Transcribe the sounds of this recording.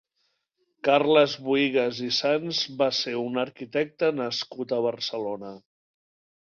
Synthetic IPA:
karləzβuiɣəzisanzβaseunəɾkit̪ɛk̚t̪ənəskut̪əβ̞əɾsəlonə

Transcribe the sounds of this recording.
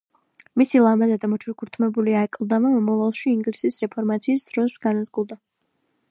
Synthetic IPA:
misilˠamazad̪amɔt͡ʃʰuɾkʰuɾt̪ʰmɛbuliaɛkʼlˠd̪amamɔmɔvalˠʃiːŋɡlisisɾɛpʰɔɾmat̪sʰiːsd̪ɾɔsɡanad̪ɡulˠd̪a

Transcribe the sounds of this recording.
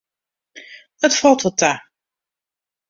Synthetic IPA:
ətfɔlˠtəta

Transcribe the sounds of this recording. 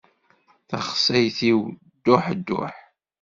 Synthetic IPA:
θə̰χsæjθiw | d̪̥ːʊħd̪ːʊ̰ħ

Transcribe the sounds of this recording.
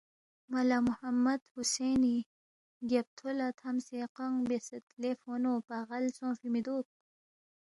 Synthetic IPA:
malamʊhamːad̪huseni | ɡap̚t̪ʰolat̪ʰamseqaŋbesɐt̪lefonopaɣalsõːfimid̪oːp̚

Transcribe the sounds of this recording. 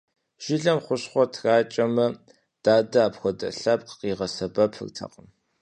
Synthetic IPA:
ʒ̥ɪɮɐmχʷʊɕχʷɔtʰraːt͡ʃʼɐmɐ | d̥aːdɐaːpxʷɔdɐ̰ɬɐp̚qəqiːʁɐsɐbɐpʰɨ̰rtʰɐ̰qəm

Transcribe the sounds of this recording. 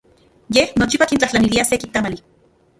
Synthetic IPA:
jehnot͡ʃipakint͡ɬaht͡ɬaniliasekint̪amali

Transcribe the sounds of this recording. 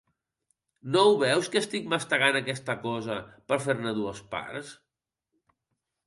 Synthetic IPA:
nowβɛwskəːst̪ik̚məst̪əɣanəkɛst̪əkɔzəpəɾfeɾnəðuəspa̰rs

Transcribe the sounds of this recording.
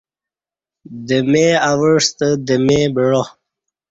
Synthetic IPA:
d̪əmeawəʂt̪əd̪əmebəɻo

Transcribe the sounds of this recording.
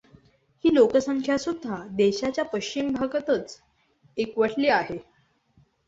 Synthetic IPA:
hiːlokəsəŋkʰjasud̪ʱːad̪eɕat͡ɕjapəɕt͡ɕimbʱaɡət̪ət͡s | ekʋəʈʰliːaɦe

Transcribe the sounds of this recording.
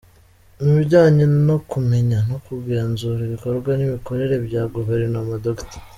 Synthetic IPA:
miβiɟaːɲino̞kume̞ɲano̞kuɡeːnzuɾiβiko̞ɾɡwaniβiko̞ɾe̞ɾe̞bɟaːɡuveɾnomadokti̥

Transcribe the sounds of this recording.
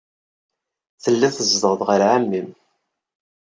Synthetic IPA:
θəlːæθəzd̪əʁðʁəɾʕamːim

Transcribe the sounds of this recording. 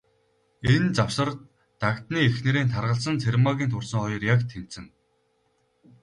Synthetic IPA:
ent͡sawsə̆rt̪ː | akt̪niːexneɾeːnt̪ʰarʁə̆ɬsə̆nt͡sʰermaɣʲiːnt̪ʰʊrsə̆ŋχɔjɞ̆rjakt̪ʰem̥sɘ̆ŋ

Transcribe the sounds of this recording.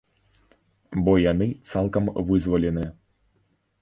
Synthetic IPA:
bɔjanɨt̪salˠkɐmvɨzvɐlʲɛnɨ

